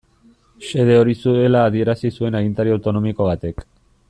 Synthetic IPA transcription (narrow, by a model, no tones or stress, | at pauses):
se̞ð̞e̞o̞ɾisue̞laːðie̞ɾasisue̞naɣint̪aɾiawt̪o̞no̞miko̞β̞at̪e̞k